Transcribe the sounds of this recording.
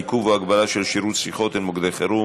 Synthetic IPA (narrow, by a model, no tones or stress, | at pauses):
kuvaɡbalaʃelʃiɾusfiχo̞t̪ilmoɡd̪eχeɾu